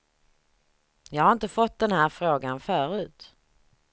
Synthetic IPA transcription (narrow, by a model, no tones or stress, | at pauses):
jɑːɡhaɾɪnt̪əfɔt̪̚d̪ɛnhæːɾfɾoːɡanfœːɾʉ̟ːt̪